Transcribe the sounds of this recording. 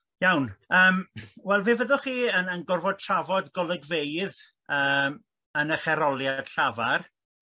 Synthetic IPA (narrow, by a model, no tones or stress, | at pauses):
jawnəːmwɛlˠvɪːvəðʊχiːənənɡʊrvɔd̚tʰravɔdɡɔlˠəɡvejð | əːm | ənəχɛɾɔlˠjad̥ɬavar